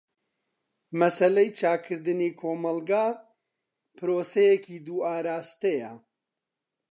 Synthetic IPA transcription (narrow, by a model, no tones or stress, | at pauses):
mɐsɐlejt͡ʃʰaːkʰɨɾd̪ɨniːkʰoːmɐlɡaː | pɨɾoːsejekiːd̪uːaːɾaːst̪ejɐ